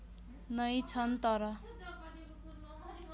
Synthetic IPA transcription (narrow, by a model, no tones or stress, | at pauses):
nʌjt͡sʰʌnt̪ʌɾʌ